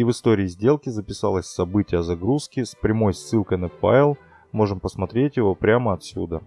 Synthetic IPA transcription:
ivɨst̪o̞ɾʲɪːzʲdʲe̞lˠkʲɪzəpʲɪsɑlˠəsʲsɐbɨtʲɪjəzɐɡɾuskʲɪspɾʲɪmo̞jsːɨlˠkəjnɐfa̰ɪlˠ | mo̞ʐɨmpəsmɐt̪ɾʲetʲjɪvo̞pɾʲaməɐt̪sʲṵd̪ə

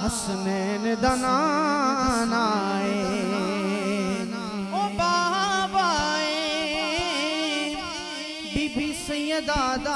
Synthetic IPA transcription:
ɦɐs | mɛːned̪aːnaː | naːe | oːbaːbaːe | biːbisə̃jəd̪aːd̪a

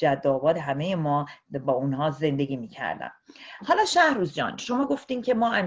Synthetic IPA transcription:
d͡ʒæd̪ːɒːbɒːd̪eɦæme̞jemɒːbɒːunɦɒːze̞nd̪e̞ɡʲiːmiːcʰæ̰ɾd̪æ̰nhɒːlɒːʃæhɾuːzd͡ʒɒ̰ːnʃo̞mɒːɡo̞ft̪iːncʰe̞mɒːʔæm

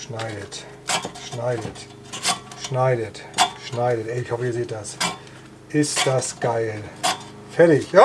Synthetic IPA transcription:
ʃnaɪɾət | ʃnaɪɾət | ʃnaɪɾətʃnaɪɾətʔɛɪɪçhɔfəiːɐzeːt̚d̥as | ʔɪst̚d̥asɡ̥aɪl | fɛɐɾɪçjaː

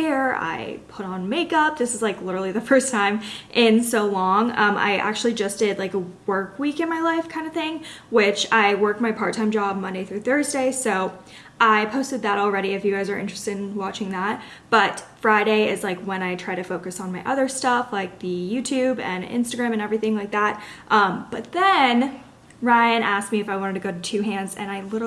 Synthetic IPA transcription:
ɪɹa̰ɪpʰʊɾn̩meɪkʌp̚ðɪsɨzlaɪklɪɾə˞l̩ˠiðɨfɜ˞stʰãɪ̃mʔɪ̃nsoʊlɔ̃ŋʌ̃mʔa̰ɪʔæ̰k̚t͡ʃʉl̩ˠid͡ʒʌsd̥ɪdlaɪkəwɜ˞kwikɨ̃nmaɪlaɪfkʰãɪ̃ndəθɪ̃ŋwɪt͡ʃaɪwɜ˞k̚t̚maɪpʰɑɹtʰãɪ̃md͡ʒɑb̚mʌ̃ndeɪθɹʉθɜ˞zdeɪsoʊ | ʔaɪpʰoʊstɨd̪̚ðəɾl̩ˠɹɛɾiɨfjʉɡaɪzə˞ɪ̰̃nt͡ʃɹ̥ɨ̥stɨ̃n̩wɑt͡ʃɪ̃ŋðæt̚ | b̥ʌtfɹaɪɾeɪɪzlaɪkwə̃ñaɪtʰɹ̥aɪɾɨfoʊkɨsn̩maɪʔʌðə˞stʌflaɪk̚ðɨjʉtʰʉbɨ̃nɪ̰̃nstɨɡɹæ̃mɨ̃nɛvɹiθɪ̃ŋlaɪk̚ðæt̚ʔʌ̃mb̥ʌt̪̚ðɨ̃n | ɹaɪɨ̃nʔæsk̚miɨfaɪwɑ̃ɾ̃ɨd̚tʰɨɡoʊɾɨtʰʉɦæ̃ndzɨ̰̃ñaɪlɪɾ

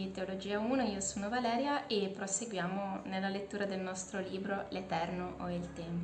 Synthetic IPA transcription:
it̪eolod͡ʒiːauːnoiːosoːnovalɛːɾjaʔepːɾoseɡwjaːmonelːalet̪ːuːɾad̪elnɔst̪ɾoliːbɾolet̪ɛrnoʔoilt̪ɛm

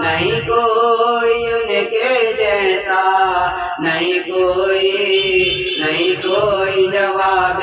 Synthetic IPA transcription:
nəɦĩkoːiʊnekeid͡ʒɛːɦsaː | nəɦĩkoːi | nəɦĩːkoːid͡ʒɐʋaːb

